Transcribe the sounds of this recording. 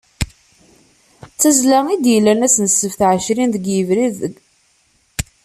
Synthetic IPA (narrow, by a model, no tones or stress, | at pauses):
t͡sːæzlæŋid̪jəlːænæsnəsːəfθʕəʃɾinðəɡjəvɾiðəɡ